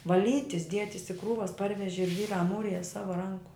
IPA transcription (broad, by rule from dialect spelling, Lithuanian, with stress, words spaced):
ʋɐˈlʲiːtʲɪs ˈdʲiɛtʲɪs ɪ ˈkruːʋɐs ˈpɐrʲʋʲɛʒʲɪ ˈʒʲʋʲiːrɑː ˈmuːrʲɪjɛ ˈsɑːʋɐ ˈrɐŋkʊ